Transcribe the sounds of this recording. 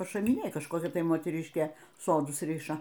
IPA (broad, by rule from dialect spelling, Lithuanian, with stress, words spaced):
pɐʃɐmʲɪˈnʲeːj kɐʃˈkoːkʲɛ ˈtɐɪ moːtʲɛˈrʲɪʃʲkʲeː ˈsoːdʊs ˈrʲɪʃɐ